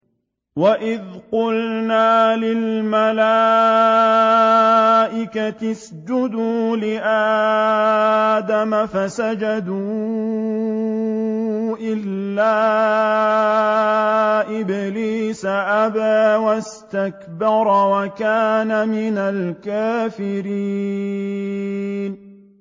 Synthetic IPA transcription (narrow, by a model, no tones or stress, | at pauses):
waʔɪðqʊlnaːlɪlmalaː | ʔɪkat̪ɪs | d͡ʒʊd̪uːlɪʔaː | d̪amafasad͡ʒad̪uː | ʔɪlːaː | ʔɪbliːsaʔabaːwast̪akbɑɾˤwakaːnamɪnalkaːfɪɾiː | n